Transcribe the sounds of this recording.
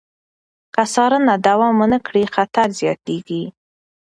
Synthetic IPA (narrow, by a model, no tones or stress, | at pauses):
kasɑɾənad̪awɑmənəkɽixat̪aɾzjɑt̪eɡi